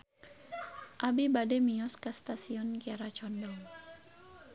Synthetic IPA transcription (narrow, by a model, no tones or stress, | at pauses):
ʔabibadɛmiɔskast̪asiɔnkiaɾat͡ʃɔndɔŋ